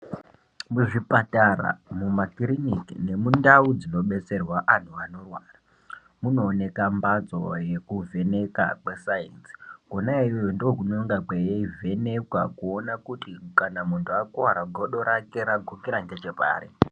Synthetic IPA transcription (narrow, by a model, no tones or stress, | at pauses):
muʐipatara̰mumakrinikine̞mundaud͡zino̞ɓe̞t͡se̞rwaʔan̤uano̞rwaːra | muno̞ːne̞kambad͡zo̞̰je̞kuvʱe̞ne̞ka̰kwe̞sainsi̥konaijojondokunoŋɡakejeive̞ne̞kwakuonakutikanamuntʰuakuwaɾaɡʱoɗo̞ɾake̞ɾaɡʱokiɾand͡ʒet͡ʃepa̰ːɾḭ